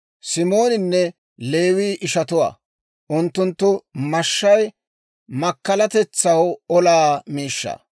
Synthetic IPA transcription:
sɪmo̞ːnɪnːɛ | le̞ːwiːʔɪʃɐt̪ʊwa̰ː | ʔʊnt̪ːʊnt̪ːʊmɐʃːɐj | mɐkːɐlɐt̪ɛt͡sːɐwɔlaːmiːʃːɐ̰ː

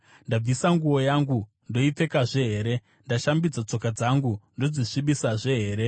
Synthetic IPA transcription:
ndab͡visaŋɡuwo̞jaːŋɡu | ndo̞ip͡fe̞kaʐe̞ɦe̞ɾe̞ | ndaʃambid͡zat͡so̞kad͡zaŋɡundo̞d͡ziʂiɓisaʐe̞ɦe̞ːɾe̞

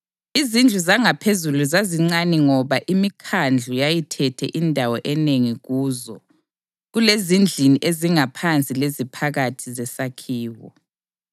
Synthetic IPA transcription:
izind͡ɮʱuzaŋapʰezuluzaziŋ͡ǀanɛŋɔβaʔimikʰand͡ɮʱujajitʰɛtʰɛ̰ʔindʱawɔʔɛneŋiɣuːzɔ | ɣulezind͡ɮʱiniʔeziŋapʰant͡sʼilezipʰaɣatʰizɛsakʰiːwɔ̰

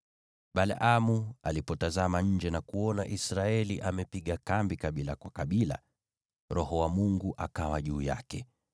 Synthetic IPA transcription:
ɓala̰ʔamua̰lipɔtazamaɲ̩d͡ʒɛnakuɔnaʔisɾaɛliʔamɛpiɠakambikaɓilakwakaɓila̰ | ɾɔhɔwamuŋɡuʔakawaʄuːja̰kɛ

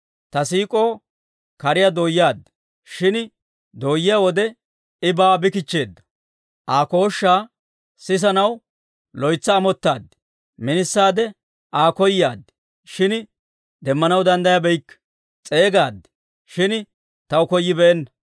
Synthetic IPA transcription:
t̪ɐsiːkʼo̞ː | kɐɾɪjad̪oːjːɪaːd̪ːɪ̥ | ʃɪn | d̪oːjːɪjawɔd̪ɛ | ɪbaːbɪkɪt͡ʃːe̞ːd̪ːɐ̥ | ʔaːko̞ːʃːaː | sɪs̬ɐnɐw | lɔjt͡sːɐːmɔt̪ːaːd̪ːɪ̥ | mɪnɪsːaːd̪ɛ | ʔaːkɔjːaːd̪ɪ̥ | ʃɪn | d̪ɛmːɐnɐwd̪ɐnd̪ɐjabɛjkː | t͡sʼe̞ːɡaːd̪ːɪ̥ | ʃɪn | t̪ɐwʊkɔjːɪbɛʔɛnːɐ

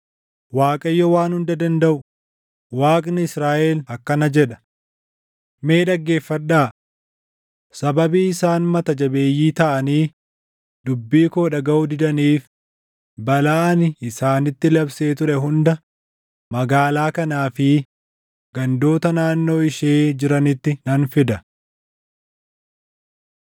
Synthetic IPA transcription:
waːkʼɐjːɔwaːnhʊnd̪ɐd̪ɐnd̪ɐʔʊ | waːkʼnɪɪsɾaːʔɛlɐkːɐnɐd͡ʒɛᶑɐ̥ | me̞ːᶑɐɡːe̞ːfːɐᶑːaː | sɐbɐbiːɪsaːnmɐt̪ɐd͡ʒɐbe̞ːjːiːt̪ɐʔɐniː | d̪̥ʊbːiːkoːᶑɐɡɐʔʊd̪ɪd̪ɐniːf | bɐlaːnɪsaːnɪt̪ːɪlɐbse̞ːt̪ʊɾɛɦʊnd̪ɐ | mɐɡaːlaːkɐnaːfɪ | ɡ̥ɐnd̪o̞ːt̪ɐnaːnːo̞ːɪʃeːd͡ʒɪɾɐnɪt̪ːɪnɐnfɪd̪ɐ

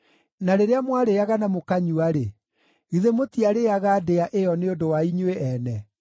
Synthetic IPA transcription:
naɾeɾeamwaɾeaɣanamokaɲuaɾe | iðemotiaɾeaɣaːdeaʔeɔneondowaiɲweʔɛnɛ

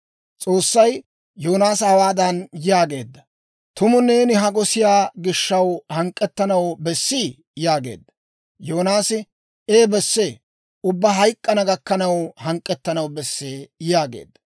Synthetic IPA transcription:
t͡sʼo̞ːsːɐj | jo̞ːnaːsɐwaːd̪ɐnjɪjaːɡe̞̰ːd̪ːɐ | t̪ʊmʊneːnɪɦɐɡɔsɪjaːɡɪʃːɐwhɐŋkʼːɛt̪ːɐnɐwbɛsːiː | jaːɡe̞̰ːd̪ːɐ̥ | jo̞ːnaːsɪ | eːbɛsːeː | ʊbːɐɦɐjkʼːɐnɐɡɐkːɐnɐwhɐŋkʼːɛt̪ːɐnɐwbɛsːeːjaːɡḛːd̪ːɐ̥

